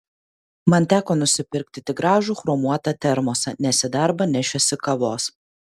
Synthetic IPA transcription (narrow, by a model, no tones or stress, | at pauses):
mɐnˑt̪ʲæːkoːnʊsʲɪpʲɪɾʲk̚t̪ʲɪt̪ʲɪɡɾɑːʒuːxɾomuɔt̪ɐt̪ʲɛɾmoːsʲɛnʲɛsʲɪd̪ɐɾbɐnʲɛʃʲɛsʲɪkɐʋoːs